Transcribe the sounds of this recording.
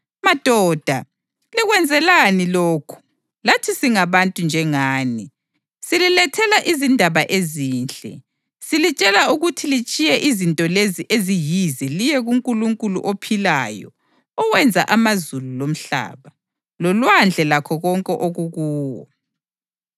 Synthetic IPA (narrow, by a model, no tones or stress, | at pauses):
mad̥ʱɔːd̥ʱa | liɣwɛnd͡zʱɛlaniloːkʰu̥ | latʰisiŋaβantʼund͡ʒʱɛŋaːni | sililɛtʰɛlaʔizindʱaβaʔeziːnt͡ɬʼɛ̰ | silit͡ʃʼɛlauɣutʰilit͡ʃʼijɛʔizintʼɔleziʔezijizɛlijɛɣuŋkʼuluŋkʼulṵʔopʰilajɔ̰ː | wɛnd͡zʱa̰ʔamazululom̩ɬa̰ːβa | lɔlwand͡ɮʱɛlakʰɔɣɔŋkʼɛʔoɣuɣuːwɔ̰